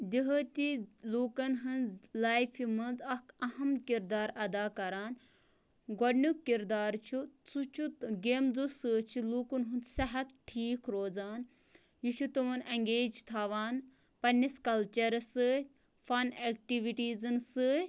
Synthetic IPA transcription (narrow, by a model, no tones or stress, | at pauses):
d̪ʲiɦət̪iluːkɐnɦɐnd͡zlaːjfʰimɐnd͡zɐkɐɦɐmkʲiɾd̪aːɾɐd̪aːkɐɾaːn | ɡɔɖnukiɾd̪aːɾt͡ʃʰut͡sut͡ʃʰut̪ɡeːmd͡zusɨt͡ʃʰiluːkunɦunsɐɦɐt̪ʈʰiːkʰɾoːd͡zaːn | jit͡ʃʰut̪uʋɐnɐŋɡeːd͡ʒt̪ʰaːʋaːn | pɐniskɐlt͡ʃɐɾsɨ | fɐnek̚ʈiʋiʈiːzɨnsɨ